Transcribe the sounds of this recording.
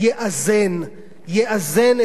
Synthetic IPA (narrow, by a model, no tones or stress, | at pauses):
jeʔazen | jeʔazene